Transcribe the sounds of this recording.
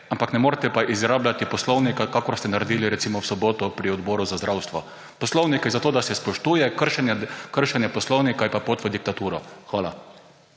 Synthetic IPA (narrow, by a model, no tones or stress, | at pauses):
ampaknɛmoːɾt̪ɛpaʔizɡɾaːblat̪ipɔslownikakakɔɾst̪ɛnaɾɛd̪iːliɾɛt̪simɔwsɔboːt̪ɔpɾiɔd̪bɔːɾuzazd̪ɾawst̪ʋɔ | pɔslownikɛzat̪oːd̪asɛspɔʃt̪uːjɛkəɾʃɛnɛkəɾʃɛnjɛpɔslɔwnikajpapot̪ʋəd̪ik̚t̪at̪uːɾɔxʋaːla